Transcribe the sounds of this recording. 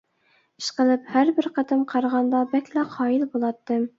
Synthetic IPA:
ɘ̥̆ʃqɤ̆lˠɘphæɾbɘɾqɑ̆t̪ɤmqʰɑɾɑʁɑnd̪ɑbæklæqʰɒjilbulˠɑt̪ːɤm

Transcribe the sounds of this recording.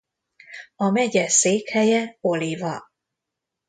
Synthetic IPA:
ɒmɛɟɛseːkhɛjɛo̞livɒ

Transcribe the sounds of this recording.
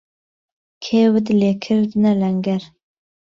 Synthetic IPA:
kʰeːwɨd̪leːkʰɨɾd̪nɛlɛŋɡɛɾ

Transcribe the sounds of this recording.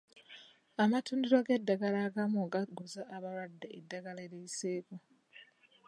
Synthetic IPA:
amatuːndiɾo̞ɡe̞dːaɡalaɡamoɡaɡuzaːβaɾwadːeedːaɡaleɾeiseːko

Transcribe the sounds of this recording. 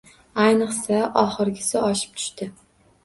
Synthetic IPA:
ajnɨqsaʔɒχɨɾɡʲɪsɪɒʃɪ̥p̚t̪ʰʊ̥ʃt̪ɪ

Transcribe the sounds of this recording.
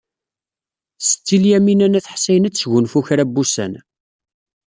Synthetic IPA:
sə̥t͡s̪ːiljæminænæθħsæjnæt͡sːʝʊnfuçɾæbːusæ̰n

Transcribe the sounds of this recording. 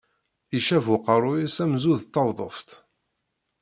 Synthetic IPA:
iʃævʊqəɾˤʊjisæmzuðt̪ːɑwðˤə̰ft̪

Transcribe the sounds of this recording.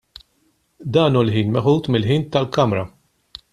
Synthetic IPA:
d̪ɐːnuːlħiːnmɛħuːt̪mɪlħiːnt̪ɐlkɐmɾɐ

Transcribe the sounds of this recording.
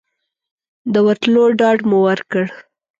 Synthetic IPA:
d̪əwat̪loɖɑɖmuwaɾkəɽ

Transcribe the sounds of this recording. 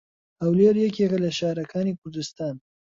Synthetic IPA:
awleɾjekeɣalaʃɑɾakʰɑnekʊɾd̪ɪst̪ɑːn

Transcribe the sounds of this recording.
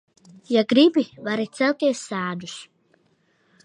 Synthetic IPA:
jaɡɾibivaɾit̪sɛlˠt̪ʲiɛsːaːd̪us

